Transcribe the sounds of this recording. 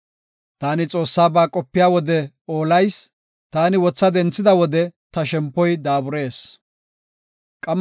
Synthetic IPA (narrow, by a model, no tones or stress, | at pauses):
t̪aːnɪt͡sʼo̞ːsːaːbaːkʼɔpːɪjaːwɔd̪ɛ | o̞ːlɐjs | t̪aːnɪwɔt͡sːɐd̪ɛnt͡sːɪd̪ɐwɔd̪ɛt̪ɐʃɛmpːɔjd̪aːbʊɾe̞ːs | kʼɐm